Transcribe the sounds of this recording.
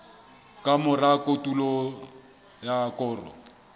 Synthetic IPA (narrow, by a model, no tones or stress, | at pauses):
kʼamʊrakʼotʼulɔ | jakʼʊːrɔ̰